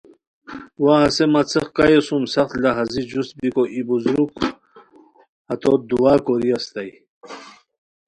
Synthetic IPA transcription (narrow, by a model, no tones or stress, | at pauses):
waːsemat͡sʰeχkajesumsɐχt̪laɦazid͡ʑust̪̚bikoʔibuzɾuk | ɐt̪od̪uwaːkoɾiast̪aj